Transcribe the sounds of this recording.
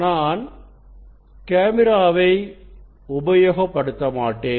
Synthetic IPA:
naːn | keːmɪɾaːʋɐɪ | ʊbɐjoːɣɐpːɐɽɯt̪ːɐmaːʈːeː

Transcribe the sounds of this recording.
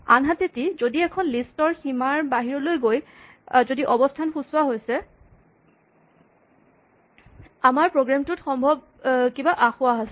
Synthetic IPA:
a̰nɦatetizodiɛkʰɔnlistɔɹximaɹbaɦiɹɔlojɡoj | zodiʔɔbɔstʰanxusʊwaɦojsɛ | amaɹpɹoɡɹamtʊtxɔmbʱɔb̚ | kibaʔaxʊwaɦasɛ

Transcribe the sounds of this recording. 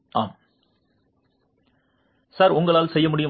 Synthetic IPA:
ʔaːm | saːɾʊŋɡɐɭaːlsɛjːɐmʊɽɪjɯm

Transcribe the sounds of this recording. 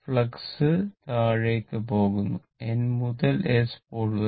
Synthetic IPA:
fɭɐksɨt̪aːɻeːkːɨpo̞ːɣunːu | enmuðɐlespoːɭu

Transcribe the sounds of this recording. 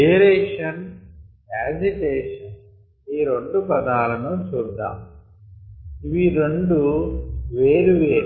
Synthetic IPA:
eːɾeːʂɐn | aːd͡ʒiʈeːʂɐn | iːɾoɳɖupɐd̪aːlɐnut͡ʃuːd̪ːa̰ːm | iʋiɾeɳɖuʋeːɾuʋeːɾ

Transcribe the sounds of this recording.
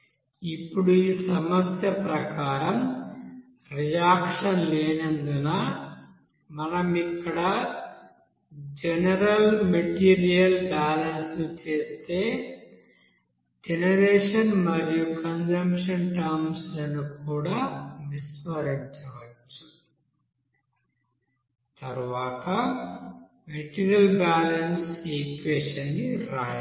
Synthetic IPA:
ipːuɽuiːsɐmɐst̪ʰjɐpɾɐkaːɾɐm | ɾijaːkʂɐnleːnend̪unɐ | mɐnɐmikːɐɽɐ | d͡ʒenɐɾɐlmeʈiːɾijɐlbaːlɐnsnut͡ʃe̞ːst̪e̞ː | d͡ʒenɐɾeːʂɐnmɐɾijukɐnd͡ʒɐmpʂɐnʈɐɾmslɐnukuːɽaːnisʋɐɾiɲt͡ʃɐʋɐt͡ʃːu̥ | t̪ɐɾuʋaːt̪ɐ | meʈiːɾijɐlbaːlɐnseːkʋeːʂɐnːiɾaːjɐ

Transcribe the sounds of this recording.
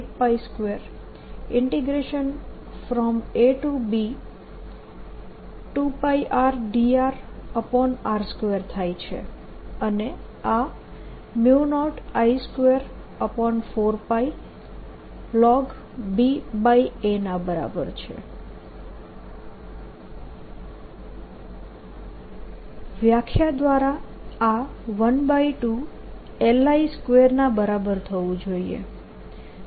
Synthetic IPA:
ek̚paiskʋeɾ | ɪɳʈiɡɾeʃən | fɾɔmeʈubi | ʈupaiʔaɾɖiaɾəpɔnaɾskʋəɾt̪ʰajt͡ʃʰḛ | əne | a | mjunɔʈaiskʋeɾ | əpɔnfoɾpai | lɔɡ | bibaienãbəɾa̰bəɾt͡ʃʰḛ | ʋjakʰjad̪ʋaɾaaʋənbaiʈu | elaiskʋeɾnabəɾabəɾt̪ʰəʋũd͡ʒoiḛ

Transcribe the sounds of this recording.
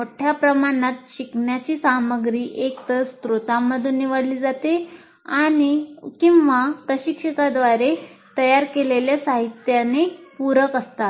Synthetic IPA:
moʈʰjapɾəmaɽ̃at̪ɕiknjat͡ɕiːsaməɡɾiːʔekt̪əst̪ɾot̪amːəd̪ʱuːnːiʋəɽliːd͡zat̪e | aɽ̃ikĩwʋat̪əɕikɕəkad̪ʋaɾet̪əjaɾkeleljasaɦit̪janepuɾəkəst̪a

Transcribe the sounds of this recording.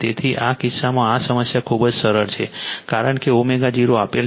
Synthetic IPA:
t̪et̪ʰiʔakɪsːamãːsəməsjakʰubd͡ʒsəɾəɾt͡ʃʰekaɾəɳkeomeɡad͡ʒiɾoapel

